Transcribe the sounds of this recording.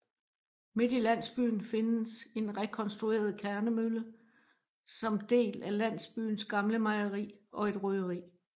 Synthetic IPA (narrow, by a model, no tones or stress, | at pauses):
me̝d̥ilæn̰sb̥y̰ːn̩fe̝nəse̝nʁɛkʰɒ̽nsd̥ʁue̝̰ːɐð̞ˠkʰæɐnəmylə | sɒ̽md̥e̝̰ːlælæn̰sb̥y̰ːn̩sɡ̥ɑ̈mləmɑ̈ɪɐʁḭːʔɒ̽e̝d̥ʁyðˠəʁḭː